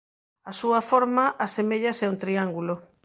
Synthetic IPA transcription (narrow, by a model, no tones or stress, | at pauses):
asuɐfoɾmaʔasemeʎɐsɛunt̪ɾiaŋɡulo